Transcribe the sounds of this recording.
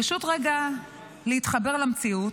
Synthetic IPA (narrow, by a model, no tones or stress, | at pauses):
aʃut̪ʁeɡa | leit̪χabe̞ʁlamt͡siut